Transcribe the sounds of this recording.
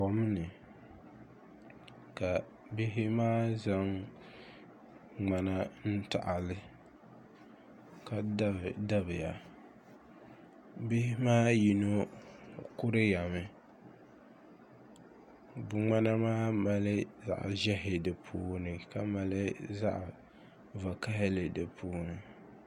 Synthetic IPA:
pɔ˨m˦nɨ˨ | ka˨ | bɪ˦ɦɪ˦maː˦za˦ŋ | ŋ͡ma˨na˦n̩˦ta̰˨ʔa˨lɪ˦ | ka˦dda˦bɪ˨ja˨ | bɪ˦hɪ˦maː˦ji˨no˦ | kʊ˦ɾɨ˦ja˨mɨ˨ | bʊ˨ŋ͡ma˦na˦maː˦ma˨lɪ˦za̰˨ʔʒɛ˦ɦɪ˨dɨ˨pʰuː˦nɨ˨ka˦ma˨lɪ˦za˦ʔ | va˨ka˦ɦɪ˦lɨ˨dɨ˨pʰuː˦nɨ˨

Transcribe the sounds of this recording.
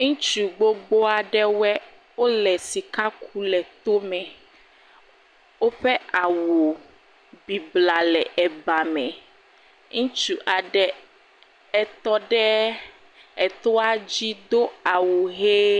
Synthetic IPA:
ŋũ˦t͡ʃu˨ɡ͡bo˦ɡ͡bo˦a˨ɖɛ˦wɛ˦ | wo˦lɛ˨si˨ka˦kʰu˦lɛ˨t̪o˦mɛ̃˨ | wo˦ɸɛ˦ʔa˨wo˨ | bi˨bla˨lɛ˨ʔɛ˨ba˨mɛ̃˨ | ŋũ˦t͡ʃu˨ʔa˨ɖɛ˨ | ɛ˨t̪ɔ˦ɖɛ˦ | ɛ˨t̪ɔ˦a˦d͡ʑi˦d̪o˦a˨wo˨ɦe˦

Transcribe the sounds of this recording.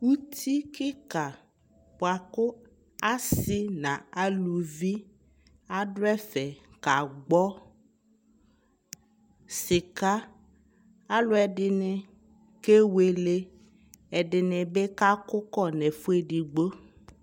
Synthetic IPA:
wu˦t̪ʰi˦kɪ˦ka˨ | po˨a˨kʊ˦ | a˦sɪ˦nã˨a˨lu˨vi˦ | a˦ɖʊ˦ɛ˦fɛ˨ka˨ɡ͡bɔ˦ | sɪ˨ka˦ | a˦lʊ˦ɛ˨ɖɪ˨nɪ˨ | ke˦we˨le˦ | ɛ˨ɖɪ˨nɛ̃˨be˦ka˦kʊ˦kɔ˦nɛ˨fu˦e˨ɖi˨ɡ͡bo˦

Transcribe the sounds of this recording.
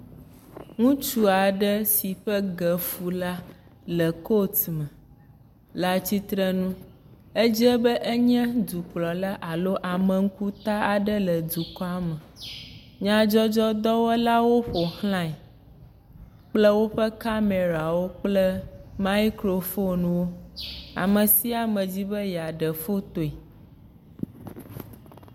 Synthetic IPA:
ŋũ˦t͡ʃu˦a˨ɖə˦si˨ɸə˦ɡə˨fu˨la˦ | lə˨ko˦t̪mɛ̃˨ | la˨t͡ɕi˦t̪ɾə˦nũ˦ | e˦d͡ʒi˦ɛ˦bə˦ʔe˦ɲɛ̃˦d̪u˨k͡plɔ˨la˦ʔa˨lo˦ʔa˨mə̃˨ŋ̩˦ku˦t̪a˦a˨ɖə˦lə˨d̪u˨kɔ˦a˦mə˨ | ɲã˦d͡ʒɔ˦d͡ʒɔ˦d̪ɔ˦wɛ˦la˦wo˦ɸo˨hl̃ã˦˨ɛ˨ | k͡plə˦wo˦ɸə˦ka˦me˨ɾa˨wo˦k͡plə˦ma˦i˦kɾo˨fo˦nũ˨wo˦a̰˨mə̃˨si˦a˨mə̃˨d͡ʑi˦bə˦ja˨ɖə˨fo˦t̪o˨i˨

